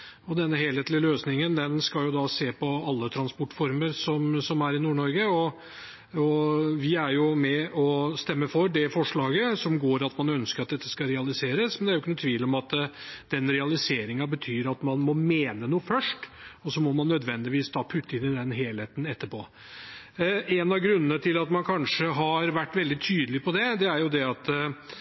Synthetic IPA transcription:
ɔd̪ɛnːəɦeːleːt̪lɪəløːsnɪŋənd̪ɛnskɑljʊd̪ɑseːpɔɑlːət̪ʰɾɑnspɔʈːfɔɾməɾsɔmsɔmæɾɪnuːɳɔɾɡəɔ | ɔʋɪæɾjʊmɛʔɔst̪ɛmːəfɔɾɖ̪ɛfɔʂɭɑːɡəsɔmɡoːɾɑt̪mɑnœnskəɾɑt̪d̪ɛt̪ːə̥skɑɾɛɑlɪseːɾəsmɛnd̪ɛæɾjʊɪkːənʊt̪ʰʋiːlɔmɑt̪d̪̥ɛnɾɛɑlɪseːɾɪŋɑbət̪ʰyːɾɑt̪mɑnmɔmeːnənuːəfœʂʈɔsɔmɔmɑnːœd̪ʋɛnd̪ɪʋiːsd̪ɑːpʰʉt̪ːəɪnɪd̪ɛnɦeːlheːt̪n̩ɛt̪ːəpʰɔ | ʔɛnɑɡɾʉnːənət̪ʰɪlɑt̪mɑnkʰɑnʂəɦɑɾʋæʈːʋɛld̪ɪt̪ʰyːd̪əlɪpʰɔd̪ɛd̪ɛæɾjʊd̪ɛɑt̪

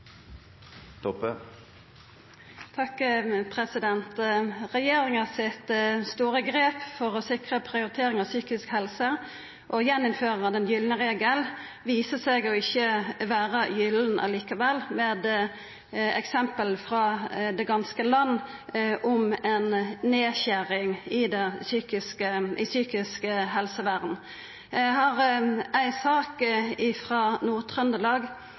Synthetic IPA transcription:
t̪ʰɔpə | t̪ʰɑkpʰʁɛsɪd̪ɛnt̪ʁɛjeːɾɪŋɑsɪt̪st̪uːʁəɡɾeːpfɔʁɔsɪkʁəpʰɾɪʊɾɪt̪ʰeːɾɪŋɑʋsyːkɪskhɛlsə | ʔɔjɛnːʊmføːɾʁɑd̪ɛnjʏlnəʁɛɑɡəl | ʋiːsəseːɡɔɪçːəʋæːʁəjʏln̩ʔɑ̰liːkɑʋɛlːmɛːd̪ | ɛ̰ksɛmpəlfʁɑːd̪ɛɡɑnskəlɑnː | ʔɔmɛnneːçæʁɪŋɪd̪ɛsyːkɪskəʔɪsyːkɪskəɦɛlsəʋæːʁd̪n̩ | ɦɑʁʔæɪsɑːkɪfʁɑːnuːʁt̪ʰʁœnd̪əlɑːɡ

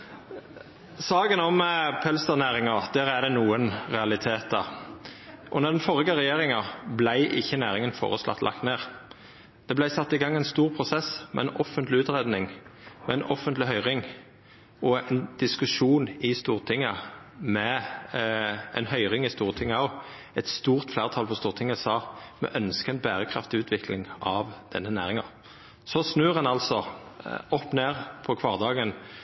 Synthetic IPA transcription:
sɑːɡənɔmpʰɛlst̪əʁnæːɾɪŋɑd̪̥æːʁæd̪ɛnuːənʁɛɑlɪt̪ʰeːt̪̚d̪ɑ | ʔɔnɛʁd̪ɛnfɔʁɪɡəʁɛjeːɾɪŋɑblæɪʔɪçːənæːʁɪŋənfo̰ːʁəslɑ̰t̪lʔɑ̰kt̪neːʁ | d̪̥ɛblæɪsɑt̪ːɪɡɑŋːɛnst̪uːʁpʰʁʊsɛsmɛ̰ɛnɔfənt̪lɪʉːt̪ʁed̪nɪŋmɛɛnɔfənt̪lɪhœʏʁɪŋ | ɔɛnd̪̥ɪskʉʂuːnɪst̪uːʁt̪ʰɪŋːə | mɛ | ɛɪnhœʏʁɪŋɪst̪uːʁt̪ʰɪŋːəɔ | ɛt̪st̪uːʁt̪flæːʁət̪ʰɑlpʰɔst̪uːʁt̪ʰɪŋːəsɑːmɛ̰ʔœnskəɛɪnbæːʁəkʰʁɑ̰ft̪ɪʉːt̪ʰʋɪkʰlɪŋʔɑʋd̪̥ɛnːənæ̰ːʁɪŋɑ | sɔsnøːʁɑnɑlsɔ | ɔpːneːʁpʰɔkʰʋɑːʁd̪ɑːɡən

